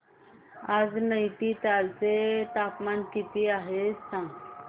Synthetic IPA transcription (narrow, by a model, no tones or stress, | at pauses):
aːd͡znəjʈ̪it̪alt͡set̪aːpmankip̪iaːɦest̪ãŋ